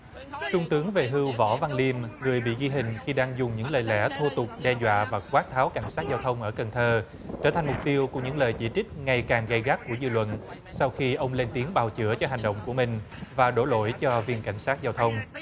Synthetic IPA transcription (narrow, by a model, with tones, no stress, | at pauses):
sʊ˧ŋ͡mt̪ɨ˨˦əŋve˨˩ɦɨ˧wvɔ̰˧˩˥va˧nli˧əmŋɨ˨˩əjɓḭ˧˨ɣi˧ɦï˨˩ŋ̟xi˧ɗaː˧ŋzʊ˨˩ŋ͡mɲɨ̰˧˥ŋləː˨˩jlɛ̰˧˥t̪ʰu˧t̪ʊ˨˩k͡p̚ɗɛ˧zwa̰ː˧˨vaː˨˩kwaː˦˥t̚t̪ʰaː˨˦wka˧˩jŋ̟saː˦˥t̚zaː˧wt̪ʰə˧wŋ͡mʔəː˧˩kə˨˩nt̪ʰəː˧ | t͡ɕəː˧˩t̪ʰa˨˩ŋmʊ˨˩k͡p̚t̪i˧əwku˧˩ɲɨ̰˧˥ŋləː˨˩jt͡ɕi˧˩t͡ɕï˦˥k̟̚ŋa˧˩jkaː˨˩ŋɣa˧jɣa˦˥k̚ku˧˩əzɨ̰˧˨lwə̰˧˨n | sa˧wxi˧ʔə˧wŋ͡mle˧nt̪i˨˦əŋɓaː˨˩wt͡ɕɨ̰˧˩ət͡ɕɔ˧ɦa˨˩jŋ̟ɗo̰˧˨wŋ͡mku˧˩əmï˨˩ŋ̟vaː˨˩ɗo˧˩˦lo̰˧˨jt͡ɕɔ˧vi˧ənka˧˩jŋ̟saː˦˥t̚zaː˧wt̪ʰə˧wŋ͡m